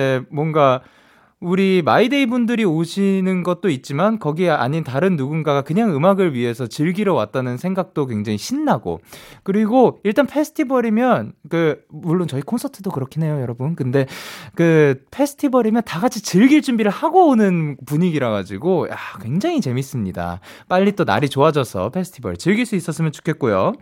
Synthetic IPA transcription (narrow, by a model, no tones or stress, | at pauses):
emwʌŋɡa | uɾima̰ideibundɯɾioɕʰinɯnɡʌt̚t͈oit̚t͡ɕ͈imankʌɡiea̰ɲintaɾɯnːuɡunɡaɡakɯɲaŋɯmaɡɯɭɥiɦe̞sʰʌt͡ɕɯɭɡiɾʌwa̰t̚t͈anɯnsʰe̞ŋɡak̚t͈ok̬weŋd͡ʑaŋiɕʰinːaɡo̰kɯɾiɡoiɭt͈anpʰe̞sʰɯ̥tʰibʌɾimjʌnkɯmuɭːont͡ɕʌikʰonsʰʌtʰɯdokɯɾʌkʰine̞jojʌɾʌbunkɯnde̞kɯpʰe̞sʰɯ̥tʰibʌɾimjʌntaɡat͡ɕʰit͡ɕɯɭɡiɭt͡ɕ͈umbiɾɯɭhaɡoːnɯnpuɲiɡiɾaɡa̰d͡ʑiɡojakwe̞ŋd͡ʑaŋit͡ɕe̞mis͈ɯmɲida̰ | p͈aʎːit͈ona̰ɾit͡ɕoad͡ʑʌsʰʌ̰pʰe̞sʰɯ̥tʰibʌɾit͡ɕɯɭɡiɭs͈uis͈ʌs͈ɯmjʌnt͡ɕu̥kʰe̞t̚k͈ojo